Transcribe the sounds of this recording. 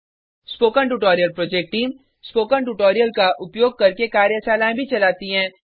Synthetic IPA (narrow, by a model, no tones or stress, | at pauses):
spoːkəɳʈuʈɔːɾijəlpɾoːd͡ʒeːk̚ʈʈiːm | spoːkəɳʈuʈɔːɾijəlkaʔʊpjoːɡ̚kɐɾkekaːɾjəsaːlaẽbʱit͡ʃɐlaːt̪iɦɛ̃ː